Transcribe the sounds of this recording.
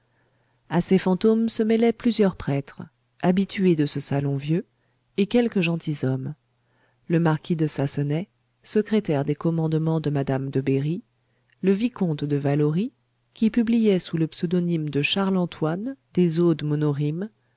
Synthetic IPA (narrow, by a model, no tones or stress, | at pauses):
asefɑ̃t̪omsəmɛlɛplyzjœʁpχɛt̪χ | abit̪ʰyed̪əsəsalɔ̃vjø | ekʲɛlkəʒɑ̃t̪izɔm | ləmaʁkʲʰid̪əsasənɛ | səkχet̪ɛʁd̪ekɔmɑ̃d̪mɑ̃d̪əmad̪amd̪əbeʁi | ləvikɔ̃t̪d̪əvalɔʁi | kʲipyblijɛsuləpsød̪ɔnimd̪əʃaʁlɑ̃t̪wand̪̥ezod̪mɔnɔʁim